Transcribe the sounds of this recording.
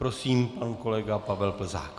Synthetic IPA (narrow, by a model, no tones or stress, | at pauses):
pɾo̞siːmpanko̞lɛɡapavɛlpl̩za̰ːk